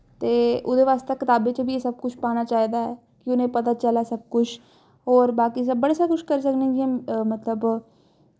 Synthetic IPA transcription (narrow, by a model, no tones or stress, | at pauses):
t̪eːʊd̪eːʋaːst̪eːkɪt̪aːbeːt͡ʃbʱiːeːsəb̚kʊt͡ʃʰpaːñaːt͡ʃaːiːd̪aːɛː | kɪʊnẽːpət̪aːt͡ʃəlaːsəb̚kʊt͡ʃʰ | ɦɔːɾbaːkiːs̬əbbəɽeːsaːkʊʃkəɾisəknẽːd͡ʒiɛmət̪ləb